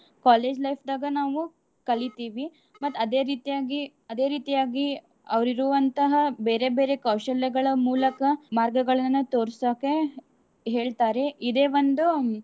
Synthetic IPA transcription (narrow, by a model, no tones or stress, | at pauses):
kaːle̞ːd͡ʒlɐjpʰd̪aːɡɐnaːʋu | kɐɭit̪iːʋi | mɐt̪ːɐd̪e̞ːɾiːt̪ijaːɡi | ɐd̪e̞ːɾiːt̪ijaːɡi | ɐʋɐɾiɾuʋɐnt̪ɐɦɐbe̞ːɾe̞be̞ːɾe̞kɐwʃɐlːɛɡɐɭɐmuːlɐkɐmaːɾɡɐɡɐɭɐnːut̪o̞ːɾsoːke | ɦe̞ːɭt̪aːɾe̞id̪e̞ːʋond̪u